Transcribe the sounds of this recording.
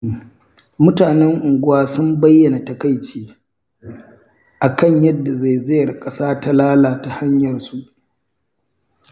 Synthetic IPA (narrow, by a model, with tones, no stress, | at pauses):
mʊ˦taː˨nɛ˦ŋʔʊ˨ŋɡʷʊ˦waː˦sʊ˦mbɐ˦jːɐ˨na˨tɐ˨ka˦jt͡ʃeː˦ | ʔa˨kɐ˦˨ɲjɐ˦dːa˨za˦˨jze˦˨rkʼɐ˦saː˦ta˦laː˦laː˨ta˨ha˦ɲjɐ˨rsu˦ʔ